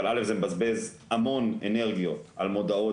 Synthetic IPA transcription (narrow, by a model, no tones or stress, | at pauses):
alʔalefzemebazbe̞zhamo̞nene̞ʁɡijoalmo̞d̪ao̞